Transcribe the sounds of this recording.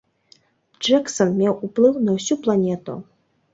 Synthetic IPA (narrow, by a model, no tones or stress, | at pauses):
d͡ʐɛksɐnmʲɛwuplˠɨwnɐwsʲuplˠanʲɛt̪ṵ